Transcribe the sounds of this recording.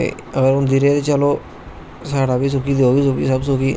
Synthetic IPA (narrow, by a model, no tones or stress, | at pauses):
ḛ | əɡəɾʊnd̪iɾeːd̪eːt͡ʃəloː | saːɽaːbiːs̬ʊkiːd̪ioːɡiːsʊkiːsəbsʊkiː